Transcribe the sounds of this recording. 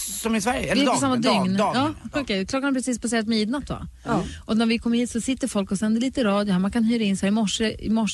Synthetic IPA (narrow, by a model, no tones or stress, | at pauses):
sɔmɪsvæɾjəɛvɪɔsamːad̪ʏŋnːɑːɔkɛkʰlɔɡːanɛpʰɾɛsiːspʰaseːɾat̪miːd̪nat̪ːva̰ | ʔɔnæɾvɪkʰɔmːəɾhiːt̪sɔsɪt̪ːəɾfɔlkɔsɛnd̪əɭiːt̪əɾɑːd̪jʊhæɾmankʰanhyːɾaɪnsɾɪmɔʂːəɪ̰mɔʂ